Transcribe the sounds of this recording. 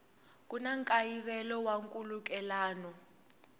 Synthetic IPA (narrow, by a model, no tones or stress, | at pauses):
k̬ʼunaŋkʼajiβɛlɔwaŋkʼuluk̬ʼɛlaːnɔ